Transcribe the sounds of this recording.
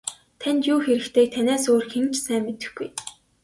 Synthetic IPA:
t̪ʰænʲt̪juːxeɾɘ̆kt̪ʰeːk̚t̪ʰænʲæːsoːrxemt͡ɕsæːmːet̪ɘ̆xɡuj

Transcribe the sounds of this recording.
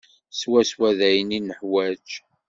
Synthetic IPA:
swæswæðæjninəħwæd͡ʒ

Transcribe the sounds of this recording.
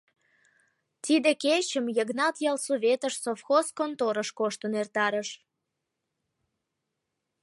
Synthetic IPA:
t̪id̪eket͡ɕəmjəɡnɑt̪jɑlsoβʲet̪əʃsofxoskont̪oɾəʃkoʃt̪ənert̪ɑɾəʃ

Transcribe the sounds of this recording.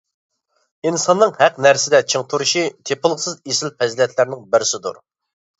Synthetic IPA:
insɑnːɨŋhæqnæɾsɪd̪ɛt͡ʃʰiŋt̪ʰuɾuʃit̪ʰepɨlˠəqsɨzesɪlpʰɛzɪlɛt̪ʰlæɾnɪŋbɪɾɪsɪd̪ṵɾ

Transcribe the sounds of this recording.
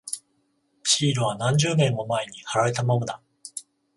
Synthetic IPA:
ɕiːɾɯ̟β̞anãɲ̟d͡ʑɨːmẽ̞mːo̞mae̞ɲ̟ihaɾaɾe̞t̪amanod̪a

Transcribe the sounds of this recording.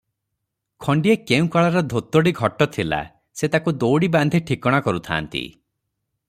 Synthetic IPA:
kʰɔɳɖiekeũkaɭaɾɔd̪ʱot̪oɽiɡʱɔʈɔt̪ʰila̰ | set̪akud̪owɽiband̪ʱiʈʰikɔɽ̃akɔɾut̪ʰa̰ːnt̪ḭ

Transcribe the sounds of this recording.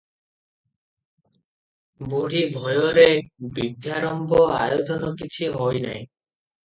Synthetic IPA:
boɽibʱɔjoɾebid̪ːjaɾɔmbʱoa̰jod̪ʱɔnɔkit͡ɕʰiɦɔjna̰j

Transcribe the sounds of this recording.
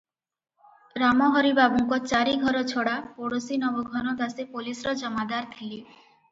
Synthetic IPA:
ɾamɔɦɔɾibabuŋkɔt͡ʃaɾiɡʱɔɾɔt͡ʃʰoɽapoɽosinɔboɡʱɔnɔd̪asepolisɔɾɔd͡ʒɔmad̪aɾt̪ʰili

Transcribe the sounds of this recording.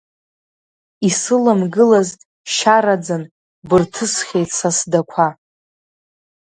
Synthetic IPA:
isɨlamɡɨlazʼ | ʃaɾad͡zan | bɨrtʰɨsχʲejtʰsasdakʷʰa

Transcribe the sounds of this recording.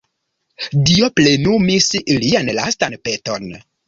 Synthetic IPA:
dioplenumisilianlastanpeto̰n

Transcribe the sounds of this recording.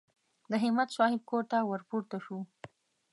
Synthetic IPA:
d̪əɦɪmat̪sɑhɪb̚koɾt̪awəɾpuɾt̪aʃu

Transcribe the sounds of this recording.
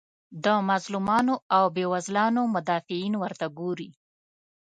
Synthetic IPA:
d̪əmazlumɑnoawbewazlɑnomʊd̪ɑfɪinwəɾt̪aɡoɾi

